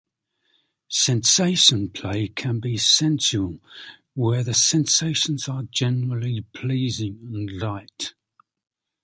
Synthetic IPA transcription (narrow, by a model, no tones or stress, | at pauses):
sɛ̃nseɪʃə̃npʰl̥eɪkʰə̃nbisɛ̃nsəlˠ | wəðəsɛ̃nseɪʃə̃nzəd͡ʒɛnəɹəlipʰl̥iːzɪ̃ŋə̃nlaɪt